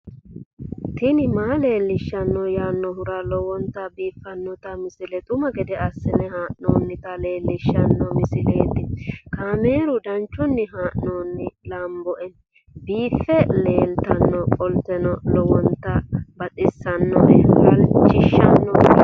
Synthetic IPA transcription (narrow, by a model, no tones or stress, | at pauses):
t̪ɪnɪmaːle̞ːlːɪʃːɐnːɔjaːnːɔɦʊɾalɔwɔnt̪ɐbiːfːɐnːɔt̪ɐmɪsɪlɛt̪ʼʊmɐɡɛd̪ɛɐsːɪnɛhaːʔno̰ːnːɪt̪ɐle̞ːlːɪʃːɐnːɔmɪsɪlḛːt̪ːɪkaːmeːɾʊd̪ɐnt͡ʃːʊnːɪɦaːʔnoːnːɪlɐmbɔʔɛ | biːfːɛle̞ːnt̪ɐnːɔkʼɔlt̪ɛnɔlɔwɔnt̪ːɐbɐtʼɪsːɐnːɔ̰ʔɛhʊɾɐt͡ʃɪʃːɐnːɔ